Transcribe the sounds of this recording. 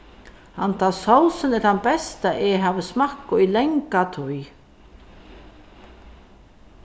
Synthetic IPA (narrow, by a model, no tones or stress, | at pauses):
hant̪ʰaːsow̪sɪnɛɾhanbɛst̪aʔɛɦavɪsmahkːʊilɛŋkat̪ʰuj